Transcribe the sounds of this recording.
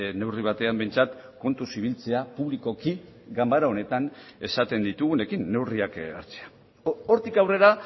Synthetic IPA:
ne̞wriβ̞at̪e̞ambe̞jnt͡sat̪ko̞nt̪usiβilt͡se̞apuβ̞liko̞kiɡambaɾao̞ne̞t̪ane̞sat̪e̞nd̪it̪uɣune̞kinːe̞wriaka̰ɾt͡se̥a | o̞ɾt̪ikawre̞ɾa

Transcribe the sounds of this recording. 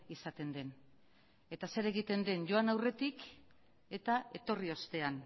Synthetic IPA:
isat̪e̞nd̪e̞n | e̞t̪ase̞ɾe̞ɣ̞it̪e̞nd̪e̞nʝo̞anawre̞t̪ik | e̞t̪ae̞t̪o̞rio̞st̪e̞an

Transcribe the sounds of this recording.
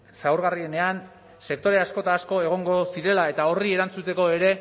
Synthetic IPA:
sawɾɣarie̞ne̞an | se̞k̚t̪o̞ɾe̞asko̞t̪aːsko̞e̞ɣ̞o̞ŋɡo̞siɾe̞lae̞t̪ao̞rie̞ɾant͡sut̪e̞ko̞e̞ɾe̞

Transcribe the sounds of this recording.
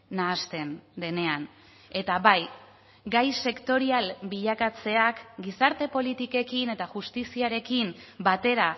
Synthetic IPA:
naːst̪e̞nd̪e̞ne̞an | e̞t̪aβaj | ɡajse̞kt̪o̞ɾialbiʎakat͡se̞akɡisaɾt̪e̞po̞lit̪ike̞kine̞t̪aʝust̪isiaɾe̞kimbat̪e̞ɾa

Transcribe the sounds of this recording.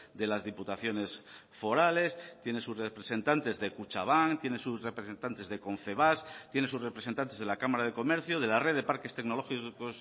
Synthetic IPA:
d̪e̞lazðiput̪aθjo̞ne̞s | fo̞ɾale̞st̪je̞ne̞susrepɾese̞nt̪ant̪e̞zðe̞kut͡ʃa̰β̞aŋt̪je̞nesusre̞pɾese̞nt̪ant̪e̞zðe̞ko̞ɱfe̞β̞ast̪jenes̬usre̞pɾese̞nt̪ant̪ezðelakamaɾað̞e̞ko̞me̞ɾθjoðe̞lareðe̞paɾke̞st̪e̞ɡno̞lo̞xikos

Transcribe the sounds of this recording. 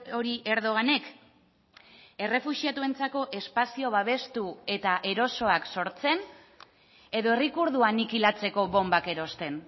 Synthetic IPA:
o̞ɾiʔe̞ɾð̞o̞ɣane̞k | e̞re̞fuʃiat̪ue̞nt͡sako̞ʔe̞spasio̞βaβ̞e̞st̪ue̞t̪aʔe̞ɾo̞so̞akso̞ɾt͡se̞n | e̞ðo̞e̞rikuɾðuanikilat͡se̞ko̞βo̞mbake̞ɾo̞st̪e̞n

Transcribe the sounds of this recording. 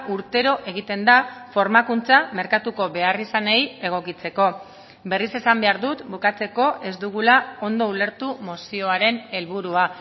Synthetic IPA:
uɾt̪e̞ɾo̞ʔe̞ɣ̞it̪e̞nd̪afo̞ɾmakunt͡same̞ɾkat̪uko̞βe̞arisaneje̞ɣ̞o̞kit͡se̞ko̞ | be̞rise̞sambe̞aɾðut̪bukat͡se̞ko̞ʔe̞zd̪uɣulao̞nd̪o̞ule̞ɾt̪umosio̞aɾe̞ne̞lβuɾua

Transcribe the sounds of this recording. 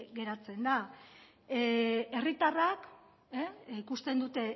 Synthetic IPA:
ɡe̞ɾat͡se̞nd̪a | e̞rit̪arak | ikust̪e̞nd̪ut̪e̞

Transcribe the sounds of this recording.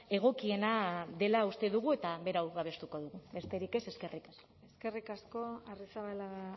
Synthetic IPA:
e̞ɣ̞o̞kie̞naðe̞laust̪e̞ðuɣue̞t̪aβe̞ɾawaβ̞e̞st̪uko̞ðuɣube̞st̪e̞ɾike̞se̞ske̞rikaskoeske̞rikasko̞arisaβalaɣ

